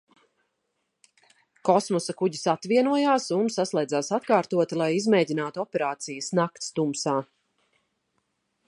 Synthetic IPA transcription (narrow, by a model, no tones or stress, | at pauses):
kɔsmɔsɐkuɟisat̪viɛnuɔjaːsunsaslˠɛj̪zaːsat̪kaːɾt̪uɔt̪ilˠajizmeːɟʲinaːt̪uɔpɛɾaːt̪sijɐsnakt̪st̪umsaː